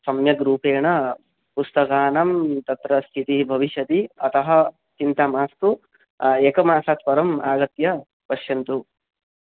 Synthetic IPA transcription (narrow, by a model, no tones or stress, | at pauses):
sɐmjɐɡɾuːpeːɳɐ | pust̪ɐkaːnɐmt̪ɐt̪ɾɐst̪ʰit̪ibʱɐʋiʃɐt̪iɐt̪ɐɦɐ̆ | t͡ʃint̪aːmaːst̪u | eːkɐmaːsaːt̪pɐɾɐmaːɡɐt̪jɐ | pɐʃjɐnt̪u